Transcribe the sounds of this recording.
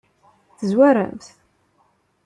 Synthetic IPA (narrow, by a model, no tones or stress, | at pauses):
θəzwæɾæ̰mθ